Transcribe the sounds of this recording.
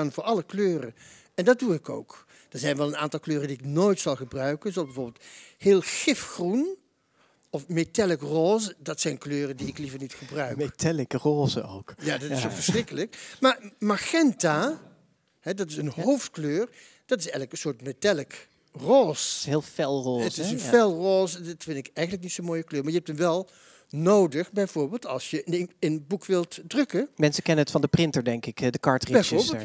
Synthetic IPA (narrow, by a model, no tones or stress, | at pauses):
aːnvʊːɹʔɑləkløːrə̰ | ɛndɑt̚duɪko̰wk | d̥əɹzɛjnʋɛlˠəna̰ːntɑlˠkløːrəndiɪknoːjtsɑlˠχəbrœɥkənzozbɛvʊːɹbɪlˠthɪːlˠχɪfxrun | ɔfmetɛləkroːzədɑtsɛjnkløːrədiɪklivəɹnitxəbrœɥkmetɛləkəroːzəowkjaːdɑtɪsovəɹsrɪkələkmaːɹmaxɛnta | ɦɛdɑtɪsənɦowftkløːr | d̥ɑtɪsɛjənləkənsʊːɹtmetɛlək | roːsɦeːlˠfɛlˠroːəstɪsənfɛlˠroːsɑtfɪndɪkɛjχənləknitsomoːjəkløːɹmaɹjəɛp̚tənʋɛlˠ | nowdəχbɛjvʊːɹbeːlˠtɑ̰lˠsjəənbukʋɪlˠtdrɵkəmɛnsəkɛnənətfɑndəprɪntəɹdɛŋkɪkdəkɑɹtribɛjvoːɹbeːə